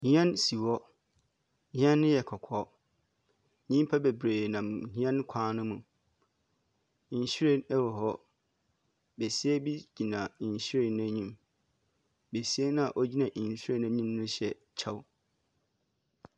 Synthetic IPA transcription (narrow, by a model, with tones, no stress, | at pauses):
ɲĩ˨˦ɛ̃˦nsi˨wɔ˦ | ɲĩ˦ɛ̃˦nːʊ̃˦jɛ˨kʰɔ˨kʰɔ˦ | ɲĩ˦m˦pʰa˦be˨bɾeː˨nã˨mhĩ˦ɛ̃˦n˦kʷʰã˦nʊ̃˦mũ˨ | ɕu˦ɾe˦nɛ˦wɔ˨ɦɔ˦ | be˨si˦ɛ˦bi˦d͡ʑi˨nã˨ɕi˦ɾe˦˨n˦æ̃˦ɲĩ˨m | be˨si˦ɛ˦nã˦a˨ʔo˦d͡ʑi˦nã˨ʔsu˦ɾe˦næ̃˦ɲĩ˦mnʊ̃˦ɕɛ˨ | t͡ɕʰa˦w